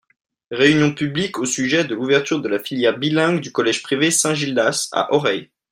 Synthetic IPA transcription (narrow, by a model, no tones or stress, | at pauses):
ʁeynjɔ̃pyblikʰosyʒɛd̪əluvɛʁt̪yʁd̪əlafiljɛʁbilɛ̃ɡd̪ykɔlɛʒ̥pχivesɛ̃ʒild̪asa̰ʔɔʁɛj